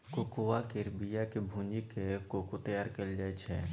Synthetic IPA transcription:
kokuʋakɪɾbijakebʱũːnd͡ʒikekokut̪ɐjaːɾkɐld͡ʒɛːt͡ʃʰɛ

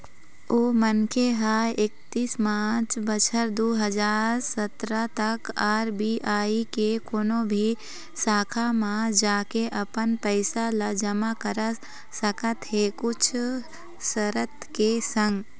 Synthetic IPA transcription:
oːmənkeɦaːek̚t̪iːsmaːt͡ʃbət͡ʃʰəɾd̪oːɦɐd͡ʒaːɾɾsət̪ɾat̪ɐkaːɾbiːʔaːikekoːnobʱi | saːkʰamãːd͡ʒaːkeʔɐpənpəɪsalad͡ʒɐmakəɾa | səkət̪ɦekʊt͡ʃʰ | səɾət̪kesə̃ŋɡ

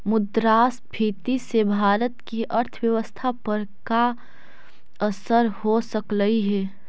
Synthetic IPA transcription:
mʊd̪ɾaːsbʱiːt̪isebʱaːɾət̪kiʔɐɾt̪ʰəʋjəʋəst̪ʰapəɾka | ɐsəɾhosəkləiɦɛː

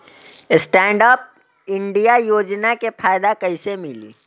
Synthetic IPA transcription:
ɪsʈɛ̃ːɳɖaːp̚ | ɪɳɖijajoːd͡ʒnakepʰaːjd̪akɐisemɪlḭː

